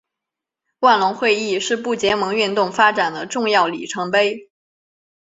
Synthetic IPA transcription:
wa˥˩nlʊ˧˥ŋxwe˥˧ɪi˥˩ʂɻ̩˥˧pu˥˩t͡ɕjɛ˧˥mɤ˧˥ŋy˥˧nt̪ʊ˥˩ŋfa˥ʈ͡ʂa˨˩nd̪ə˦ʈ͡ʂʊ˥˧ŋjɑ˥˩ʊlḭ˨˩ʈ͡ʂʰɤ˧˥ŋpe˥ɪ

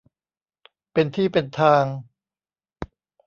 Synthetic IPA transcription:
pe˧nt̪ʰiː˥˩pe˧nt̪ʰaː˧ŋ

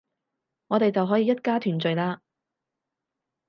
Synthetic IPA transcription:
ŋɔː˨˧t̪e˨jt͡sɐ˨wɦɔː˨˥jiː˨jɐ˥t̚kaː˥t̪ʰyː˨˩nt͡ʃɵ˨ɥlaː˧

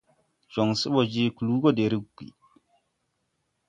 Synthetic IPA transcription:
ʒo˨ŋsi˦ɓo˨d͡ʒi˦ku˨luː˦ɡo˦de˨ɾi˦ɡḭ˨

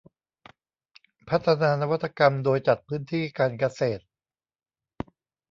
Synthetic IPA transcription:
pʰa˦˥t̪ʰːa˧naː˧na˦˥wa˥t̪ʰːa˧ka˧mdoː˧jt͡ɕa˨˩t̪̚pʰɯː˦˥nt̪ʰiː˥˩kaː˧nka˧seː˨˩t̪̚

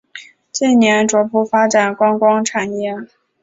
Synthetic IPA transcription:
t͡ɕi˥˩nnjɛ˧˥nʈ͡ʂwɔ˧˥pu˥˩fa˥ʈ͡ʂa˨˩nkwɑ˥ŋkwɑ˥ŋʈ͡ʂʰa˨˩njɛ˥˩

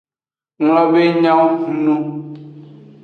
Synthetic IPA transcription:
ŋlɔ̃˨be˦ɲã˦wŋũ˨nũ˦

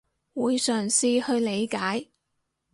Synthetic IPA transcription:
wuː˨˧jsœː˨˩ŋsiː˧hɵ˧ɥle˨˧jkaː˨˥j

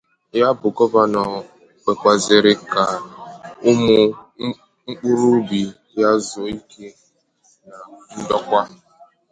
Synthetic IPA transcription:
ja˦bʊ˨ɡɔ˦ba˦nɔ˨ | k͡pe˨kʷa˨zɪ˨ɾɪ˦ka˨ | ʊ˦mʊ˦ | ŋ͡m̩˦k͡pu˦ɾu˦bi˨ | ja˦zɔ˨i˦ke˦ | na˨n̩˦dɔ˦kʷa˦

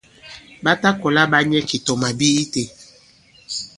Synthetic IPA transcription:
ba˦ta˦kɔ˨la˦ba˦ɲɛ˦ki˨tɔ˨ma˨bi˦i˦te˨

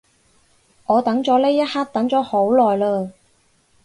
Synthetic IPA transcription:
ŋɔː˨˧t̪ɐ˨˥ŋt͡ʃɔː˨˥le˥jɐ˥t̚haː˥k̚t̪ɐ˨˥ŋt͡ʃɔː˨˥ho˨˥wlɔː˨jləː˧

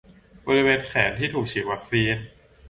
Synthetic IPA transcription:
boː˧ɾi˧weː˧nkʰɛː˩˦nt̪ʰiː˥˩t̪ʰuː˨˩k̚t͡ɕʰi˨˩wa˦˧˥k̚siː˧n

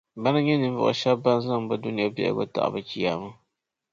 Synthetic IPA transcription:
ba˦nɨ˦ɲɛ˦nɨ˨n˦vʊ̰˨ʔʊ̰˨ʃa˦bba˦n˦za˦ŋba˦du˦nɪ˨ja˦bḭ˦ʔa̰˨ɡo̰˦ta̰˨ʔba˨t͡ʃi˦ja˨ma˦

